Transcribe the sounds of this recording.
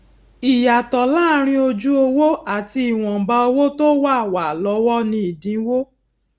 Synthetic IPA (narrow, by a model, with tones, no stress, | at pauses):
i˨ja˨tɔ˨laː˦˨˦ɾ̃ĩ˧o˧d͡ʒu˦o˧wo˦a˦˨ti˧i˨w̃ɔ̃˨ba˧o˧wo˦to˦wa˦˨wa˨lɔ˨˧˦wɔ˦nĩ˧i˨dĩ˨˦wo˦